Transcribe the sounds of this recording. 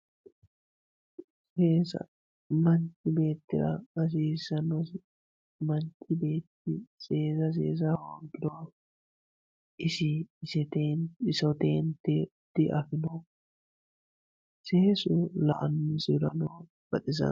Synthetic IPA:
seːsɐ̰ | mɐnt̪ɪbe̞ːt̪ːɪɾɐɐs̬iːsɐnɔs | mɐnt̪ʰʼːɪbeːt̪ːɪse̞ːsɐs̬ḛːs̬awoŋkːɪd̪ɔɐ | ʔɪsɪsɛt̪esɔt̪ḛːnt̪ɛ | d̪ɪʔɐfɪnɔ | seːsʊlɐ̰ʔɐnːʊsɪɾɐnoː | b̥ɐt̪ʼɪsɐ̰

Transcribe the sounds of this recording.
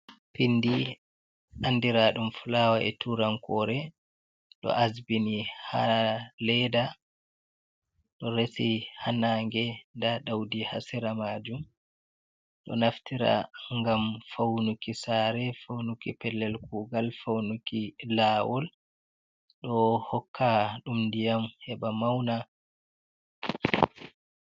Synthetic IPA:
pindi | ʔandiɾaɗumfulawaʔɛtʰuɾaŋkɔɾɛ | ɗɔ̰ʔazbinihalɛda | ɗɔɾesihanaːŋɡɛndaɗawdiha̰siɾamaːd͡ʒum | ɗɔ̰naftiɾa̰ŋɡamfawnukisaːɾɛfawnukipɛlːɛlkuːɡalfawnukilaːwɔl | ɗɔhɔkʰːaɗumndijamhɛɓamawna

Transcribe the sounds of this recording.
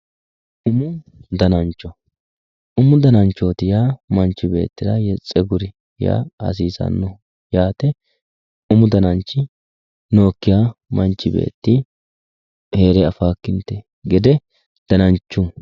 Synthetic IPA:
ʔʊmʊ | d̪ɐnɐnt͡ʃːɔ | ʊmʊd̪ɐnɐnt͡ʃːoːt̪ɪjaːmɐnt͡ʃːɪbe̞̰ːt̪ːɪɾɐjɛt͡sʼːɛɡʊɾɪ | ja̰hɐ̰s̬iːsɐ̰nːɔ | jaːt̪ɛ | ʊmʊd̪ɐnɐnt͡ʃːɪ | no̞ːkːɪjamɐnt͡ʃːɪbḛːt̪ːɪ | he̞ːɾɛɐfaːkːɪnt̪e | ɡɛd̪ɛ | d̪̥ɐnɐnt͡ʃːu

